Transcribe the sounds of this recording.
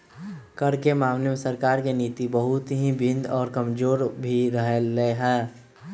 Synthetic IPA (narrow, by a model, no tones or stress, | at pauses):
kəɾkemaːwnəmsəɾkaːɾkeniːt̪ibəɦʊt̪ɦĩbʱɪ̃nd̪ɔːɾkəmd͡ʒoːɾbʱiɾəɦelːeɦɛː